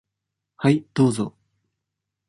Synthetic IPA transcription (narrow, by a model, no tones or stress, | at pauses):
haid̪̥oːzo̰